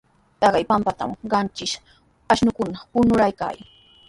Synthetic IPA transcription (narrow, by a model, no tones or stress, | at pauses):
t̪ɑɢɑjpampat̪a̰mɢɑnt͡ʃɪʃ | aʃnʊkʊnapʊnʊɾajka̰ːj